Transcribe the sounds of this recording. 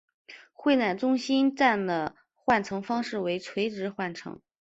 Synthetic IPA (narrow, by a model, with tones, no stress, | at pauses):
xwe˥˧ɪna˥˩nʈ͡ʂʊ˥ŋɕi˥nʈ͡ʂa˥˩nd̪ə˩ | xwa˥˩nʈ͡ʂʰɤ˧˥ŋfɑ˥ŋʂɻ̩˥˩we˧˥ɪt͡sʰwe˧˥ɪʈ͡ʂɻ̩˧˥xwa˥˩nʈ͡ʂʰɤ̰˧˥ŋ